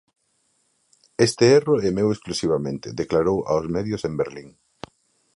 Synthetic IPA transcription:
est̪eeroɛmewesklusiβ̞amẽnt̪eðeklaɾowʔa̰wzmɛðjosembeɾliŋ

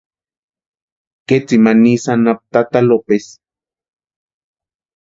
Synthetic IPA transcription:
ket͡simanisanap̚t̪at̪alopes

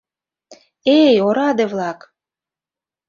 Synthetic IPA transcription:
ejoɾɑd̪evlɑk

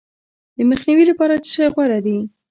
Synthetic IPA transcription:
d̪əməxniwilapɑɾad̪əʃɑjɣwaɾad̪i

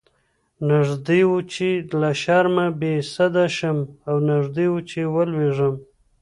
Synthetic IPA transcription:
naʐd̪iwut͡ʃelaʃɑɾmabesad̪aʃəmawnaʐd̪iwut͡ʃewəlweʐəm

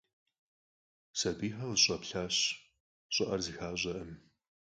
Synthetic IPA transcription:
sɐbiːħɐlɕʼɐpɬaːɕ | ɕʼɔʔɐrzixaːɕʼɐʔɨm

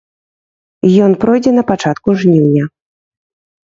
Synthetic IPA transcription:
ijɔnpɾɔjd͡zʲɛnɐpat͡ʂat̪kuʐnʲiwnʲɐ

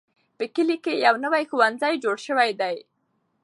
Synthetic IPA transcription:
pəkəlikejawnəwajxuwanzajd͡ʒoɽʃəwajd̪aj

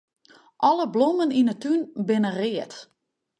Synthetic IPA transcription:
ʔɔləbloməninətynbɪnərɪət

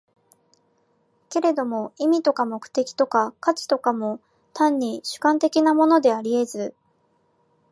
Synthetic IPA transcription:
ke̞ɾe̞d̪o̞mo̞imʲit̪o̞kamo̞kɯ̟̥t̪e̞kʲi̥t̪o̞kakat͡ɕi̥t̪o̞kamo̞ | t̪ãɲ̟ːiɕɨ̥kãnt̪e̞kʲinamo̞no̞d̪e̞aɾʲie̞zɨ

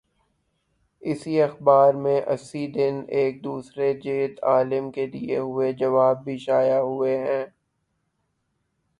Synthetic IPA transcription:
ɪsiɐxbaːɾmẽʔɐ̰sːid̪ɪneːk̚d̪uːsɾed͡ʒeːd̪aːlɪmkeliḛɦʊed͡ʒɐʋaːbːʱiʃaːjaɦʊeɦɛ̃ː

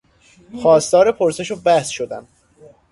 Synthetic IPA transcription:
xɒːst̪ɒːɾepʰoɾse̞ʃobæhsʃod̪æn

